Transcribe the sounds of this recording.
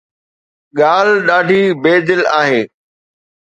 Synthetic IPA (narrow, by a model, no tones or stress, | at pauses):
ɠaːlɗaːɖʱiːbeːd̪ɪlaːɦeː